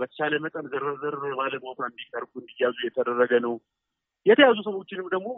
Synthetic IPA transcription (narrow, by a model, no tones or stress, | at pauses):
bət̪ʰə̥t͡ʃaləmət̪ʼənzəɾəzəɾbaləopɾand̪ikt̪ʰəɾkuɨnd̪ijːazujɛt̪ʰəd̪ərːəɡənəw | jɛt̪ʰəjazus̬əwo̞t͡ʃːɪnɨmd̪əɡmo̞